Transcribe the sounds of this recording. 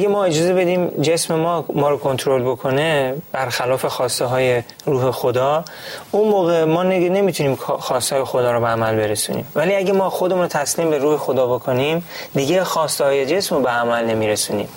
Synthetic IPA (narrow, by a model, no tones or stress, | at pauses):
æɡemɒːe̞d͡ʒɒːze̞be̞d̪iːmd͡ʒe̞smemɒːmɒːɾokʰo̞nt̪ʰɾo̞lbokʰo̞neb̥æɾxælɒːfe̞xɒːst̪eɦɒːje̞ | ɾuːɦe̞xod̪ɒːunmoːɣemɒːnne̞miːt̪ʰuniːmkxɒːst̪hːjexod̪ɒːɾobeæmælbe̞ɾesṵːnḭːmvæliæɟemɒːxod̪e̞munɾot̪ʰæsliːmbe̞ɾuːhexod̪ɒːbo̞kʰo̞nimd̪iɟexɒːst̪ehɒːje̞d͡ʒe̞smɾobeæmælne̞miːɾesuːnḭːm